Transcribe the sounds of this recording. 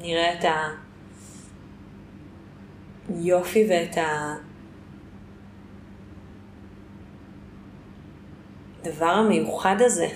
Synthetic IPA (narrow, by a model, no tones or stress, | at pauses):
niʁeeta | jo̞fiveetʰa | d̪avaʁhame̞juχadaze